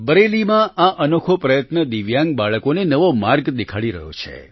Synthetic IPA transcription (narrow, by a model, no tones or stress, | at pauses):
bəɾelimãaʔənokʰopɾəjət̪nəd̪iʋjãŋɡ̚baɭəkonenəʋomaɾɡd̪ikʰaɽiɾə̰ɦjo̰t͡ʃʰḛ